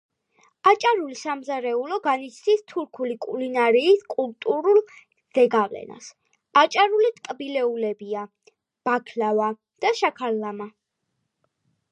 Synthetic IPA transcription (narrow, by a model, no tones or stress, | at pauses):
at͡ʃʼaɾulisamzaɾɛulɔɡanit̪t͡ʃʰnist̪ʰuɾkʰulikʼulinaɾiːskʼult̪ʼuɾulˠ | z̥ɛɡavlɛ̰na̰s | at͡ʃʼaɾulit̪ʼkʼbilɛulɛbia | b̥akʰlava | d̪̥aʃakʰallama